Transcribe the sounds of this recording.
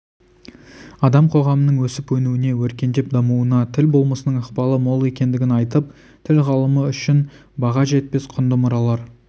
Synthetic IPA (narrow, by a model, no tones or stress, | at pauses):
ɑd̪ɑmqʰo̞ʁɑmənəɴwɵsɪpwɵnuɪne̞wɵɾkʲe̞nd̪e̞p̚d̪ɑmuənɑt̪ʰɪlbo̞lˠməsənəɴəqpɑlˠəmo̞lˠe̞kʲe̞nd̪ɪɡʲɪnɑjt̪əp̚ | t̪ʰɪlʁɑlˠəməʏʃɪn | bɑʁɑʒe̞t̪̚pe̞sqʰʊnd̪əmʊɾɑlˠɑɾ